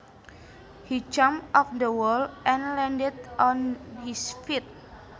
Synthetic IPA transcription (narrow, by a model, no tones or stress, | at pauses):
hid͡ʒãmʔɔfdəwəlʔɛ̃nlɛ̃ndɛdʔɔ̃nhisfit̚